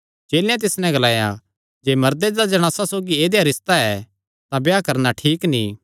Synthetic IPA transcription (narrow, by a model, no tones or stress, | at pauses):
d͡ʒeːlɪjãt̪̬ɪsnɛ̃ɡɐlaːja̰ | d͡ʒeːmɐɾd̪ed̪ad͡ʒɐɽ̃aːsasoːɡieːd̪eɐɾɪst̪aɛ | t̪ãbjaːkɐɾnaʈʰiːknḭ̃